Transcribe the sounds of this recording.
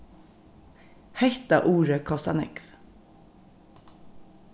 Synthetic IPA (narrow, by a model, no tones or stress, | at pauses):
hɛçt̪ɑʔuːɾəkʰɔsɑ̰nɪ̰kf